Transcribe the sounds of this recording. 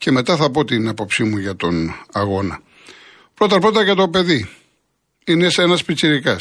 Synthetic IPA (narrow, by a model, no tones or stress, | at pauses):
ce̞me̞t̪ɐθɐpo̞t̪inɐpo̞psimuʝɐt̪o̞nɐɣo̞nɐ | pɾo̞t̪ɐpɾot̪ɐkɐt̪o̞pe̞ði | ine̞senɐspit͡siɾikɐs